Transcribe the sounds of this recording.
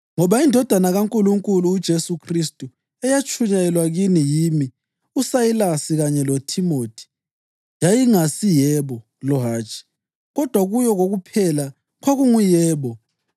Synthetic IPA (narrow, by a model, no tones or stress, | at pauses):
ŋɔβaindʱɔd̥ʱanaɣaŋkʼuluŋkʼuluːd̥ʒ̥ʱesukʰristʼu | ɛjat͡ʃʰʼuɲajɛlwaɣinijimi | usajilasiɣaɲɛlotʰimoːtʰi̥ | jajiŋasijɛːβɔ | lɔɦaːt͡ʃʼi̥ | ɣɔd̥ʱwaɣujɔɣoɣupʰɛla | kʰoɣuŋujɛːβɔ